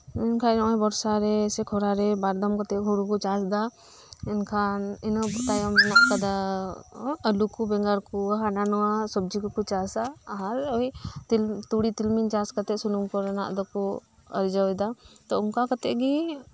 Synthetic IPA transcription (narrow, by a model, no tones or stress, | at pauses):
ɛnkʰanɔɛbɔɾsaɾɛsɛkʰɔɾaɾɛbaɾd̪ɔmkɔt̪ɛʔɦuɽukɔt͡ʃasd̪a | ɛnkʰaninɔbut̪ajɔmbɛnaʔkad̪a | əlukubɛŋɡaɾkɔɦananɔwasɔb̚d͡ʒikɔkut͡ʃasaaɾɔjt̪ilt̪uɽit̪ilmint͡ʃaskət̪ɛʔsunumkɔɾna̰ʔd̪ɔkɔ | ə̰ɾd͡ʒawd̪at̪ɔʊnkakət̪ɛʔɡi